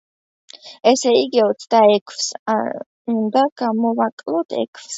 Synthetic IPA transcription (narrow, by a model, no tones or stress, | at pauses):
ɛsɛiɡiɔt̪sʰd̪aɛkʰfsa | und̪aɡ̥amɔvakʼlˠɔt̪ʰɛ̰kʰfs